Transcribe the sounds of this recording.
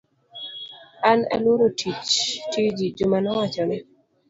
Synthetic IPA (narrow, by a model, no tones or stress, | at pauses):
ana̰lwoɾotʰit͡ʃtid͡ʒid͡ʒʊmanɔwat͡ʃɔnɛ